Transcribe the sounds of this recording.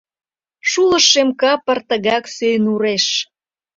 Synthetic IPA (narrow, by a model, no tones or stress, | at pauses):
ʃulə̆ʃemkɑpərt̪əɣɑksøjnuɾeʃ